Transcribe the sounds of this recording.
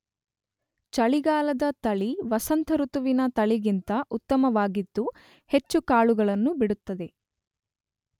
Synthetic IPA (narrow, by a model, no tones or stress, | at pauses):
t͡ʃɐɭiɡaːlɐd̪ɐt̪ɐɭiʋɐsɐnt̪ʰɐɾut̪uʋinɐt̪ɐɭiɡint̪ɐʔut̪ːɐmɐʋaːɡid̪ːu | he̞t͡ʃːukaːɭuɡɐɭɐnːubiɽut̪ːɐd̪e̞